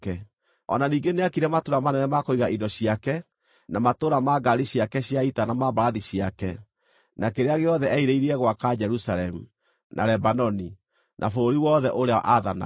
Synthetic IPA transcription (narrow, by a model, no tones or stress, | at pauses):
kɛ | ɔ̰naniːŋɡeneakiɾɛmatoɾamanɛnɛmakoiɣaʔidɔɕiakɛ | namatoɾamaɡaɾiɕiakɛɕiaitanamaβaɾaðiɕiakɛ | nakeɾeaɣeɔðɛʔɛiɾeiɾiɛɣwakad͡ʒɛɾusaɾɛmu | nʔa̰ɾɛbanɔni | nʔa̰fooɾiwɔðɛʔoɾea̰ʔaðana̰